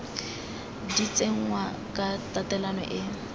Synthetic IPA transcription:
dit͡seŋ̩ŋwa | kʼatʼatɛlanɔ̰ʔɪ

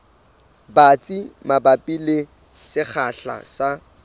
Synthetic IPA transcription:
bat͡sʼimabapʼile | sɪk͡xʰaɬa̰sa

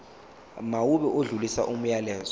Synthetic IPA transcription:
mawuɓɛʔoɮulisa̰ʔum̩jalɛːzɔ

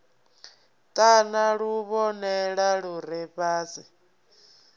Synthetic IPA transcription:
tʼanaɺuβɔnɛɺaɺuɾɛβaːzi

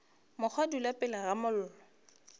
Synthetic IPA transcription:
mʊk͡xʰwadulapʼɪlaɣamʊl̩ːlɔ

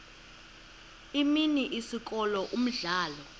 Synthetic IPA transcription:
iminiʔisik̬ʼɔlɔʔum̩ɮaːlɔ

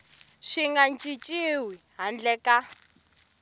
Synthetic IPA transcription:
ʃiŋɡant͡ʃʼit͡ʃʼiwiɦand͡ɮɛka

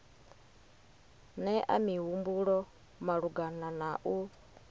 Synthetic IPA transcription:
nɛʔa̰miɦumbuɺɔ | maɺuɡananaʔu

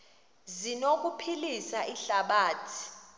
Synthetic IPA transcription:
zinok̬ʼupʰilisaʔiɬaɓaːtʰi̥

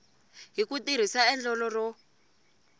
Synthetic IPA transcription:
ɦikutiɾ̤isaɛnd͡ɮɔlɔrɔ

